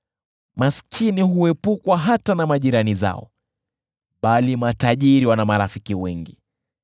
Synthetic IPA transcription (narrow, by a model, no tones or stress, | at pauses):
maskʰiniɦuɛpukwaɦatanamaʄiɾaniza̰ɔ̰ | ɓalimataʄiɾiwanamaɾafikiwɛŋɡi